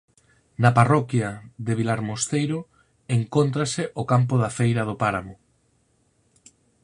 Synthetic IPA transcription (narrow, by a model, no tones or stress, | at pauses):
nɐparɔkjɐðeβilaɾmost̪ejɾʊ | eŋkont̪̬ɾasɪʔokamp̬ʊðafejɾɐðopaɾamʊ